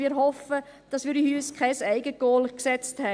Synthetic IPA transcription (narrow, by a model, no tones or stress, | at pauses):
iːɾɦɔfə | d̥ɑsʋiːɾihyːskʰɛɪsæɪɡəɡ̥oːlksɛt͡sthɛ